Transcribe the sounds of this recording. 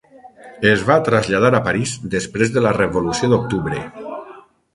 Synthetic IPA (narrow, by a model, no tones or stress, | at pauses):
ezβat̪ɾazʎað̞aɾapaɾizd̪espɾezðəlareβolusjod̪ok̚t̪uβɾḛ